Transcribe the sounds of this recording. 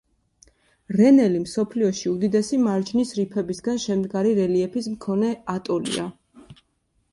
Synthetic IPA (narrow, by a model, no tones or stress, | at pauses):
ɾɛnɛlimsɔpʰliɔʃiud̪id̪ɛsimaɾd͡ʒʰnisɾipʰɛbisɡanʃɛmd̪ɡaɾiɾɛliɛpʰismkʰɔnɛat̪ʼɔlḭa̰